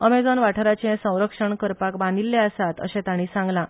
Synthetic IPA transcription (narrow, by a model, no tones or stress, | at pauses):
əmed͡zɔnʋaʈʰəɾat͡ɕẽsə̃w̃ɾəkʂəɳkəɾpakbãnd̪ilːɛəsat̪ə̰ɕɛ̃t̪aɽ̃iːsãŋɡlã